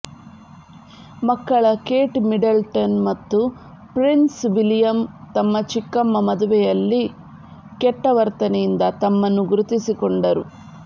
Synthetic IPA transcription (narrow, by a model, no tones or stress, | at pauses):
mɐkːɐɭɐkeːʈmiɖɐlʈɐnmɐt̪ːu | pɾinsʋilijɐmt̪ɐmːɐt͡ʃikːɐmːɐmɐd̪uʋɛjɐlːi | kɛʈːɐʋɐɾt̪ɐnɛjind̪ɐt̪ɐmːɐnːuɡuɾut̪isikoɳɖɐɾu